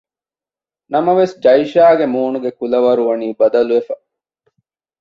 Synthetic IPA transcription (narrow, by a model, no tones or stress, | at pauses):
nɐmɐʋesd͡ʒɐjʃaːɡemuːnuɡekulɐʋɐɾuʋɐniːbɐd̪ɐluefɐ